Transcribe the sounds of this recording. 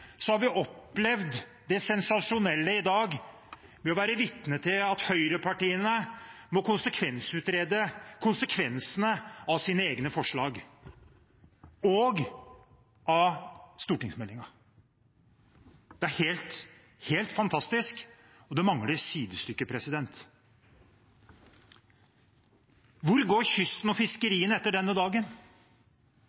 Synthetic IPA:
sɔhɑɾʋɪʔɔpːlɛʋd̪ | d̪ɛsɛnsɑʂʊnɛlːəɪd̪ɑːɡ | mɛɔʋæːɾəʋɪt̪nət̪ʰɪlɑt̪hœʏɾəpʰɑʈiːənə | mɔkʊnsəkʰʋɛnsʉːt̪ɾeːd̪əkʰʊnsəkʰʋɛnsənəɑʋsiːnəeːɡnəfɔʂɭɑːɡ | ɔɡ | ɑst̪uːʈɪŋsmɛlːɪŋɑ | d̪̥ɛæɾheːlt̪ | heːlt̪fɑnt̪ʰɑst̪ɪsk | ɔd̪ɛmɑŋləsiːd̪əst̪ʏkːəpʰɾɛsɪd̪ɛnt̪ | ʋʊɾɡoːɾçʏst̪n̩ɔfɪskəɾiːənɛt̪ːəɖɛnːəd̪ɑːɡən

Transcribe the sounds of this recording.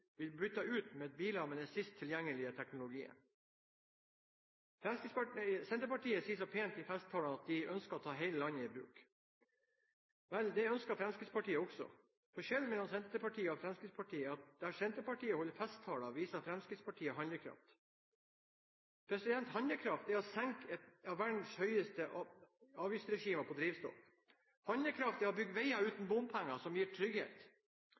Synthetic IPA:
ʋɪlbɾʏt̪ːəʉːt̪meɛt̪̚biːlɑmɛd̪ɛsɪst̪ʰːɪljæŋːəlɪət̪ʰɛknʊlʊɡiːə̰n | fɾɛmskɾissɛnt̪əpɑʈiːəsiːəsɔpʰeːnt̪ɪfɛst̪ʰːɑːlɑɑt̪̚d̪ɪʔœnskəɔt̪ʰɑːɦɛɪləlɑnːəiːbɾʉ̰ːk | ʋɛld̪ɛœnskɑfɾɛmskɾid̪spɑʈiːəɔksɔ̰ | fɔʂɛlːmɛlːɔmsɛnt̪əpɑʈʰiːəɔfɾɛmskɾid̪spʰɑʈiːəɑt̪̚d̪ææsɛnt̪əpɑʈiːəhɔlːəɾfɛst̪ʰːɑːlɑʋiːsɑfɾɛmskɾɪd̪spʰɑʈʰiːəɦɑnləkʰɾɑ̰ft̪ | pʰɾɛsɪd̪ɛnt̪hɑnəkʰɾɑft̪æɔsɛŋkɛt̪ɑʋʋæɖn̩shœʏəst̪ə | ɑːʋjist̪ɾɛʃiːməpʰɔd̪ɾiːʋst̪o̰ːf | hɑnd̪ləkʰɾɑft̪æɔbʏɡːəʋæɪɑʉːt̪n̩bʊmpʰæŋːɑsɔmjiːʈʰɾʏɡhḛːt̪

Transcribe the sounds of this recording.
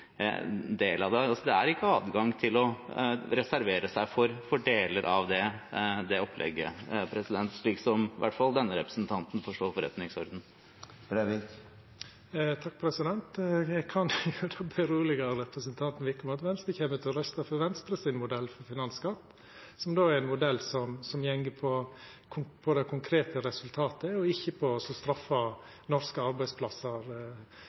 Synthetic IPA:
d̪eːlɑd̪ɛɑsɔd̪ɛæ̰ɾɪkːəɑːd̪ɡɑŋt̪ʰɪlɔɾɛsæɾʋeːɾəsæɪfɔɾfɔɖeːləɾʔɑʋd̪ɛd̪ɛɔpʰlʔɛ̰ɡːə̰pʰɾɛsɪd̪ɛnt̪ʂɭiːksɔmʋæ̰ʈfɑlˠd̪ɛnːəɾɛpɾəsnt̪ʰɑnt̪n̩fɔʂʈoːɾfɔɾɛ̰t̪nɪŋsɔɾd̪n̩ | b̥ɾːʋik | t̪ʰɑk̚ːpʰɾɛsɪd̪ɛnt̪kʰɑnʉd̪oːbɛɾuːlɪɡɑɾɛpɾəsənt̪ʰɑnt̪n̩ʋɪkəmɑt̪ʋɛnst̪əçeːmət̪ʰɪlɾœst̪ɑfɔɾʋɛnst̪ɾəsɪnmʊd̪ɛlːfɔɾfɪnɑnskɑt̪ː | sɔmd̪oːæɾɛnmʊd̪ɛlsɔmsɔmjɛŋɡəpʰɔ | kʰʊpʰɔd̪ɛkʰʊŋkʰɾeːt̪əɾɛsʉlt̪ʰɑːt̪əɔɪçːəpʰɔsɔst̪ɾɑfːɑ | nɔɾskəɑɾbæɪspʰlɑsəɾ

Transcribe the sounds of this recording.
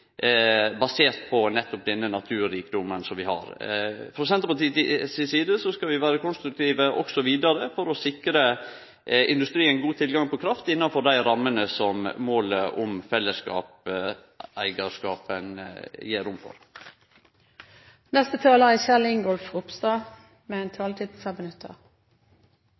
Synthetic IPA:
bɑseːɾt̪pʰɔnɛt̪ːɔp̚d̪ɛnːənɑt̪ʰʉːɾiːkd̪ʊmːənsɔmʋɪhɑ̰ɾfɾɔsɛnt̪əɾpɑt̪iːsiːsiːd̪əsɔskɑʋɪʋæːɾəkʰʊnst̪ɾʉk̚t̪ʰiːʋəʔɔksɔʋiːd̪ɑɾəfɔɾɔsɪkɾə | ɪ̰nd̪ʉst̪ɾiːənɡuːt̪ʰɪlɡɑŋpʰɔkʰɾɑft̪ɪnːɑnfɔɾd̪æɪɾɑmːənəsɔmmoːləʔɔmfɛlːəskɑ̰ːp | æɪɡɑʂkɑːpənjeːɾʊmfɔ̰ɾ | nɛst̪ət̪ʰɑːləʁæçɛlɪŋɡɔlfʊpst̪ɑː | mɛɛnt̪ʰɑːlt̪ʰiːd̪sɑbənʉt̪ʰːə̰

